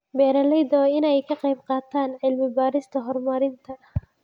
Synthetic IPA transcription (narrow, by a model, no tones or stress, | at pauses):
bɛːɾɐlɛjd̪ɔɪnɛjkʰɐqɑjbqɑːt̪ʰaːnʕɪlmɪbaːɾɪst̪ʰɐɦɔrmɐɾɪnt̪ʰɐ